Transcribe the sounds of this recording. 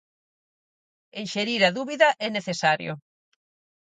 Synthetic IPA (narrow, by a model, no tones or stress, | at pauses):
eʃeɾiɾɐðuβiðɐʔɛneθesaɾjo̰